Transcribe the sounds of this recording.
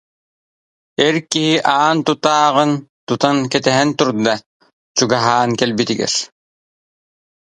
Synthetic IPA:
ɛɾkiɦiʔaːnt̪ut̪aːʁɯnt̪ut̪ankɛt̪ɛɦɛnt̪uɾd̪a | t͡ɕuɡaɦaːnkɛlbit̪iɡɛ̰ɾ

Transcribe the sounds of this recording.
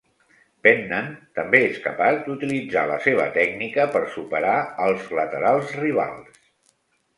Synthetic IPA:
pɛnːənt̪əmbeeskəpazd̪ut̪ilid͡za̰ləseβ̞ə̰t̪ɛɡnikəpəɾsupəɾaəlˠzlət̪əɾalˠzriβ̞a̰lˠs

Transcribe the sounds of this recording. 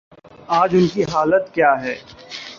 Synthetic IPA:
aːd͡ʒʊnkiɦaːlət̪kjaːɦɛː

